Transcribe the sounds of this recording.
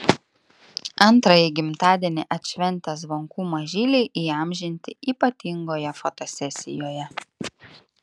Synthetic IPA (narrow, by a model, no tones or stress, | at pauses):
ɐnˑt̪ɾɐjɛɪɡʲɪmt̪ɑːd̪ʲiɛnʲɪʔɐt̪ʲʃʲʋʲɛnʲˑt̪ʲɛzʋoŋkuːmɐʒʲiːlʲɛɪʔiːɐmʲʒʲɪnʲt̪ʲɪiːpɐt̪ʲɪŋɡoːjɛfot̪osʲɛsʲɪ̰joːjɛ